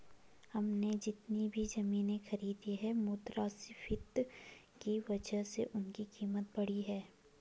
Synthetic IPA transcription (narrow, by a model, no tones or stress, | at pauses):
hɐmned͡ʒɪt̪nibʱizɐmiːnẽxɐɾiːd̪iɦɛmuːt̪ɾasɪfʰɪt̪ | kiʋɐd͡ʒəɦsḛʔʊnkikiːmət̪̚bɐɽ̤iɦɛː